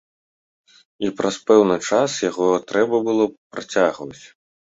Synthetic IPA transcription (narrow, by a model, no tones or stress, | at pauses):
ipɾɐspɛwnɨt͡ʂasjaɣɔt̪ɾʔɛbɐbɨlˠɔpɾat͡sʲaɣvɐt͡sʲ